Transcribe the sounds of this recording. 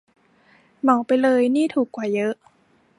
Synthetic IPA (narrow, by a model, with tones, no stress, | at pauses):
mɔ˩˦wpa˧jlɤː˧jniː˥˩t̪ʰuː˨˩kːwaː˨˩jɤ˦˥ʔ